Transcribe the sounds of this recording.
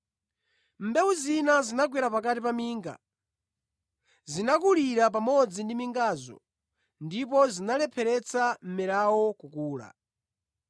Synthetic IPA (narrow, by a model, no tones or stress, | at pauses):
m̩bɛwuzinazinaɡwɛɾapakatipamiːŋɡa̰ | zinak̬uliɾap̬amɔd͡zindimiŋɡaːzɔ̰ | ndip̬ɔzinalɛpʰɛɾɛt͡sʰam̩mɛɾawɔkukuːla̰